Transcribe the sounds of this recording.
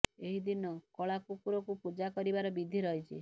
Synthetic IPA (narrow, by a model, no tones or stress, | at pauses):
eɦid̪inɔkɔɭakukuɾɔkupud͡ʒakɔɾibaɾɔbid̪ʱiɾɔɦit͡ʃʰi